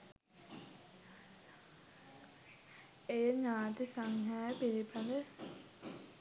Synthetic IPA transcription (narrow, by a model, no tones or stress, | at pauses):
ejəɲaːt̪isaŋɦaːjəpiɾipʰane